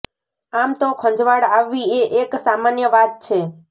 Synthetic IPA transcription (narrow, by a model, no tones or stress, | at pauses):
amt̪okʰə̃ɲd͡ʒʋaɽaʋːieʔeksamanjəʋat̪̚t͡ʃʰe